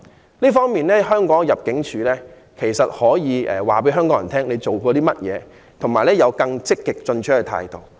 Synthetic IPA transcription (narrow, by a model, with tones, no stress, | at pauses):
liː˥fɔː˥ŋmiː˨nlɛː˥ɦœː˥ŋkɔː˨˥ŋjɐ˨p̚kɪ˨˥ŋt͡ʃʰyː˨˧lɛː˥ | kʰe˨˩jsɐ˨t̚hɔː˨˥jiː˨˧ɛː˨˩waː˨˩p̬e˨˥ɦœː˥ŋkɔː˨˥ŋjɐ˨nt̪ʰɛː˥ŋle˨˧jt͡so˨wkɔː˧t̪iː˥mɐ˥t̚jɛ̰ː˨˧ | t̪ʰŋmaː˨˩jlɛː˥jɐ˨˧wkɐ˧ŋt͡sɪ˥kːɪ˨k̚t͡sɵ˧nt͡ʃʰɵ˥kɛ˧˩t̪ʰa̰ː˧jt̪o˨w